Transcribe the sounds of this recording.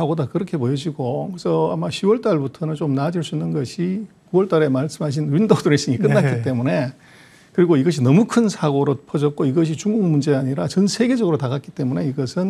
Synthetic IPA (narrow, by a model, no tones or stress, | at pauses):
aɡodakɯɾʌkʰe̞pojʌd͡ʑiɡokɯesʰʌamaɕʰiwʌɭt͈aɭbutʰʌnɯnt͡ɕomnad͡ʑiɭs͈uinːɯnɡʌɕʰikuwʌɭt͈aɾe̞maɭs͈ɯmɦaɕ̬ʰinwindoduɾeɕ͈iɲik͈ɯnnːak͈itt͈e̞mune̞ | kɯɾiɡoiɡʌɕ̬ʰinʌmukʰɯnsʰaɡoɾopʰʌd͡ʑʌt̚k͈oiɡʌɕ̬ʰit͡ɕuŋɡuŋmund͡ʑe̞aɲiɾat͡ɕʌnsʰe̞ɡe̞d͡ʑʌɡɯɾotaɡak͈i̥t͈e̞mune̞iɡʌsʰɯn